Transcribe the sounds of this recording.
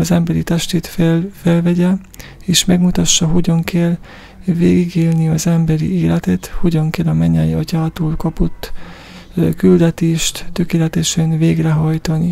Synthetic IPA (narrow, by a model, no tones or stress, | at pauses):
ɒzɛmbɛɾit̪ɛʃt̪eːt̪fɛlvɛɟɛ | eːʃmɛɡmut̪ɒʃːɒɦo̞ɟɒŋkʰɛl | veːɡiɡeːlniɒzɛmbɛɾḭeːlɛt̪ɛt̪ho̞ɟɒŋkɛlɒmɛɲːɛjiɒcaːt̪oːlkɒpo̞t̪ː | kyld̪ɛt̪eːʃt̪ːø̞keːlɛt̪ɛʃɛnveːɡrɛɦɒjt̪ɒni